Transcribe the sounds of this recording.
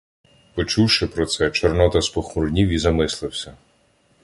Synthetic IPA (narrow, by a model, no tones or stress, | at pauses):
pɔt͡ʃuwʃɪpɾɔt̪sɛt͡ʃɔrnɔt̪ɐspɔxmuɾnʲiwizɐmɪslˠɪwsʲɐ